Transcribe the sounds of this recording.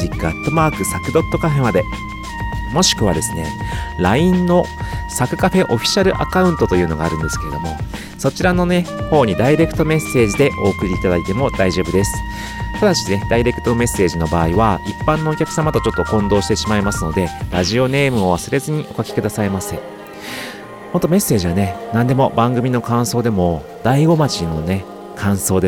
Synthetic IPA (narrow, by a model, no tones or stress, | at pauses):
ikːɯat̪ːo̞maːkɯ̟sakɯ̟d̪o̞t̪ːo̞kaɸe̞mad̪e̞ | mo̞ɕi̥kɯ̟β̞a̰d̪e̞sɨne̞ɾaĩnːo̞ | sakɯ̟kaɸe̞ʔo̞ɸʲi̥ɕaɾɯ̟ʔa̰kaɯ̟̃nt̪o̞t̪o̞jɯ̟ːno̞ɡaːɾɯ̟̃nd̪e̞sɨ̥ke̞ɾe̞d̪o̞mo̞̰ | so̞t͡ɕiɾano̞ne̞ho̞ːɲ̟id̪aiɾe̞kɯ̟t̪o̞me̞sːe̞ːʑid̪e̞ʔo̞ːkɯ̟ɾʲiːt̪ad̪ait̪e̞mo̞d̪aiʑo̞ːbɯ̟d̪e̞sɨ̥ | kad̪aɕine̞d̪̥aiɾe̞kɯ̟̥t̪ome̞sːe̞ːʑino̞baːiβaipːãnːo̞ːkʲakɯ̟samat̪o̞t͡ɕo̞t̪ːo̞kõ̞nd̪o̞ːɕi̥t̪e̞ɕimaimasɨno̞d̪e̞ɾaʑio̞ne̞ːmɯ̟o̞β̞asɨɾe̞zɨɲ̟iʔo̞kakʲi̥kɯ̟d̪asaimase | mo̞nt̪ome̞sːe̞ːʑiβane̞nãnd̪e̞mo̞bãŋɡɯ̟mʲino̞kãɰ̃so̞ːd̪e̞mo̞ | d̪aiɡo̞mat͡ɕino̞ne̞ | kʰãɰ̃so̞ːd̪e